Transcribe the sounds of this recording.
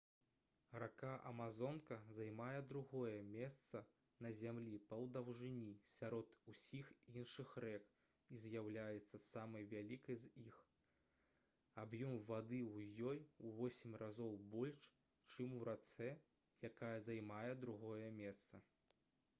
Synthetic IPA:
rakaʔɐmazɔnkɐzajmajɛd̪ɾuɣɔjɛmʲɛst̪sɐ | nɐzʲamlʲipɐwd̪ɐwʐɨnʲisʲaɾɔt̪usʲixinʂɨxrɛk | izʲjawlʲajɛt̪sːɐsamɐjvʲalʲikɐjzix | abjɔmvad̪ɨwjɔjuvɔsʲimʲrʔazɔwbɔlʲʂ | t͡ʂɨmuɾat̪sɛ | jakajɐzajmajɛd̪ɾuɣɔjɐmʲɛst̪sɐ

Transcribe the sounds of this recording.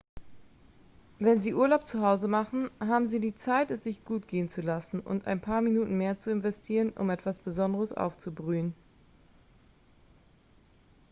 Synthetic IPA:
vɛnziːʔuːɐlaʊp̚t͡suɦaʊzəmaχn̩ɦaːbm̩ziːdiːt͡saɪtɛsz̥ɪçɡ̥uːtɡ̥eːənt͡sulasn̩ʊ̰nta̰ɪnpʰaːɐminuːtn̩meːɐt͡suɪnvɛstʰiːʁənʔʊ̰mɛtv̥asb̥əzɔndəʁəsʔa̰ʊft͡subʁyːən

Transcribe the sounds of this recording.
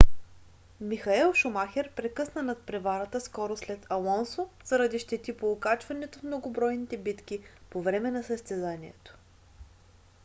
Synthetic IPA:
mixɐɛlˠʃʊmaxʲɛɾpɾɛkɤsnənɐt̪̚pɾɛvaɾət̪əskɔɾoslɛt̪ʰɐlˠɔnsoz̥ɐɾɐd̪iʃt̪ɛt̪ipoːkat͡ʃvɐnɛt̪ofmnoɡobɾɔjnit̪ɛbit̪k̟ipovɾɛmɛnɐsəst̪ɛzaniɛt̪o̥

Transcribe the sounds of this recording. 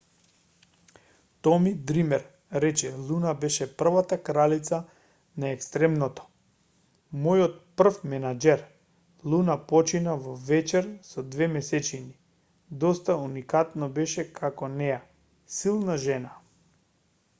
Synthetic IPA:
t̪ɔmid̪ɾimɛɾ | ɾɛt͡ʃɛlˠunabɛʃɛpr̩vat̪akɾalit̪sa | naɛkst̪ɾɛmnɔt̪ɔ̥ | mɔjɔt̪̚pr̩fmɛnad͡ʒɛɾ | lˠunapɔt͡ʃinavɔvɛt͡ʃɛɾsɔd̪vɛmɛsɛt͡ʃini | d̪ɔst̪aunikat̪nɔbɛʃɛkʰakɔnɛja | silˠnaʒɛna

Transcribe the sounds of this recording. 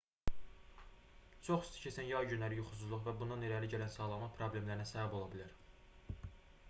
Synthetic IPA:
t͡ʃʰoχi̥st̪ʰi̥cʰesænjɑjɟynlæɾijuxu̥s̬uzlˠuχvæbund̪ɑneɾæɾliɟælænsɑːlˠɑmɑpʰɾoblʲe̞mlæɾinæsæbæbo̞lˠɑbilæɾ

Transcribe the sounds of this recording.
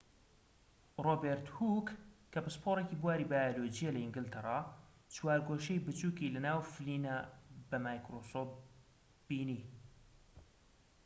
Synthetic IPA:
roːbeɾt̪hukː | ɐbɨspʰoɾeciːbuwaːɾiːbaːjoloːd͡ʒijalɐiŋɡɪlt̪ʰɐrˤɑː | t͡ʃwaːɾɡoʃejbɨt͡ʃuːkilɐnaːwfɨliːnabɐmaːjkɾoːso | b̥iːni

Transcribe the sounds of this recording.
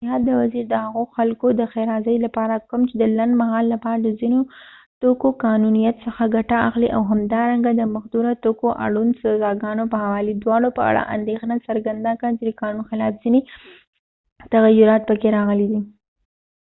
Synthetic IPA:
ɦɑd̪ːəwaziɾd̪əhaɣoxalkod̪əxeɾɑzəjlapɑɾakəmt͡ʃed̪əlanɖ̪maɦɑlːapɑɾad̪əzino | t̪okokɑnunijat̪səxaɡaʈaaxliʔa̰wɦamd̪ɑɾaŋɡad̪əmaxd̪uɾat̪okoʔa̰ɽunsazɑɡɑnopəhawɑlid̪wɑɽopəa̰ɽa̰ʔa̰nd̪exnasaɾɡand̪akat͡ʃed̪əkɑnunxɪlɑfz̥ine | t̪aɣajːʊɾɑt̪̚pəkeɾɑɣəlid̪i

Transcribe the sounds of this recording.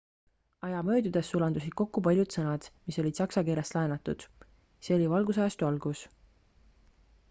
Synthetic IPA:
ɑjɑmø̞ːd̪̥ud̪̥e̞sːulɑnd̪usid̪̥̚ko̞kːupɑlʲjud̪sɤnɑd̪̥miso̞lʲid̪̥sɑksɑkeːɾest̪lɑenɑt̪ːˑud̪̥ | seolivɑlɡus̬ɑest̪uɑlɡ̥us

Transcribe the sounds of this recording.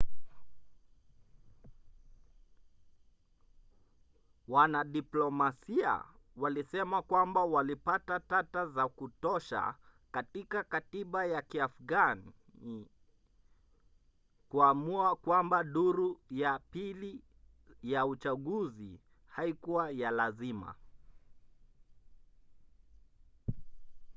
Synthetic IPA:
wanaɗiplɔmasia̰ | walisɛmakwambawalipatatatazakutɔʃa̰katikakatiɓajakiafɡan | i | kuamuakwambaɗuɾujapili | jaut͡ʃaɠuzi | haikuwajalazima̰

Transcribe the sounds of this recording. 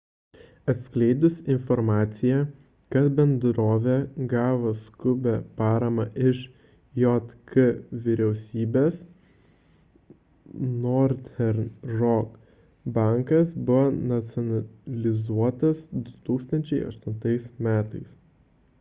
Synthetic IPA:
ɐt̪sʲklʲɛɪd̪ʊsɪnfɔɾmɑːt̪sʲɪjɛ | kɐt̪bʲɛnd̪ɾoːʋʲɛɡɑːʋoskʊbʲɛpɑːɾɐmɑʔɪʃ | jɔt̪kɨʋʲɪɾʲɛʊsʲiːbʲeːs | nɔɾt̪ʲɛɾnɾɔk | bɑˑŋkɐsbʊʋonɐt̪sʲɔnɐlʲɪzuɔt̪ɐsd̪ʊt̪uːkst̪ɐnʲt͡ʃʲɛɪɐ̰ʃt̪ʊnt̪ɐɪsmʲæːt̪ɐɪs

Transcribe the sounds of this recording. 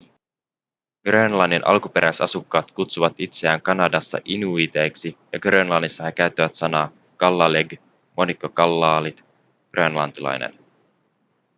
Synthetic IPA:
ɡ̥renlɑnːinʔɑ̰lkupe̞ɾʔæjsɑ̰sukːɑːt̪kut̪suʋɑt̪it̪se̞æːŋkɑnɑdɑsːɑ̰ʔinuit̪e̞ːksijɑɡrenlɑnːisːɑhekæyt̪ːæʋæt̪sɑnɑː | kɑlːɑleɡ | mʔo̞nikːokɑlːɑːlit̪ | ɡ̥reenlɑ̰nt̪ilɑ̰jnḛn

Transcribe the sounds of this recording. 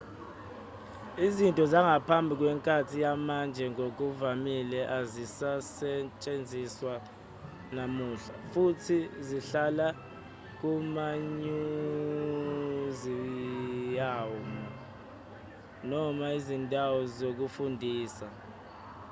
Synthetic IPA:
izintʼɔzaŋɡapʰambʱik̬wɛŋkʼatʰijamand͡ʒʱɛŋok̬uvamilɛʔazisasɛt͡ʃʼend͡zʱiswa | namuːɬa̰futʰiziɬala | k̬umaɲu | zi | jaːwmɔ | nɔmaizindʱʼawɔzok̬ufundʱiːsa

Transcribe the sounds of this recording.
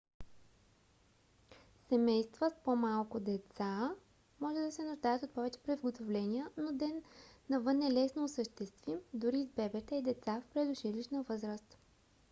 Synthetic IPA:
sɛmɛjst̪vəspomalˠkʊd̪ɛt̪sa | mɔʒɛd̪ɐsɛnoʒd̪ajət̪ot̪̚pɔvɛt͡ʃɛ̥pɾivɡot̪ovlɛniənod̪ɛnːɐvɤnːɛlɛsnoːsəʃt̪ɛst̪vimd̪ʊɾizbɛbɛt̪ɛid̪ɛt̪safpɾɛd̪ʊʃiliʃnəvɤzɾəst̪

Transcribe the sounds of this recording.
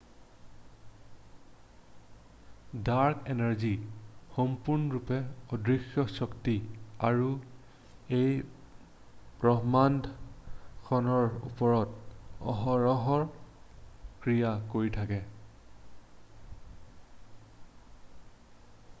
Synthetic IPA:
daɹkɛnɛɹzixɔmpuɹnɔɹupɛɔdɹixjɔsɔktiaɹu | ej | pɹɔɦmandʱ | kʰɔnɔɹṵpɔɹɔtɔ̰ɦɔɹɔɦɔɹ | kɹijakoɹitʰakɛ

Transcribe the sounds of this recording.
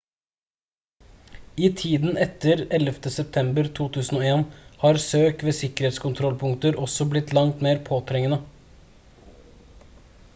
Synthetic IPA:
iːt̪ʰiːd̪n̩ʔɛt̪əɾɛləft̪əsɛp̚t̪ʰɛmbəɾt̪ʰuːt̪ʰʉːsn̩oːeːnhɑːɾsøːkʋeːsɪkəɾeːt̪skʊnt̪ʰɾɔlpʰʊŋkt̪əɾʔɔsɔblɪt̪lɑŋt̪meːɾpʰoːt̪ʰɾɛŋənə

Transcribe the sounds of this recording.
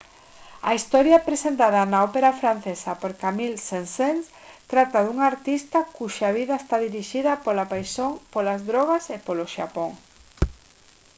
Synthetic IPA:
ɐ̰ist̪ɔɾjapɾesent̪aðɐnaɔpeɾafɾan̟θesɐpoɾkamilsensens | t̪ɾat̪aðuŋaɾt̪ist̪ɐkuʃaβ̞iðɐest̪aðiɾiʃiðɐpolapajsoŋpolazðɾɔɣasepoloʃa̰poŋ

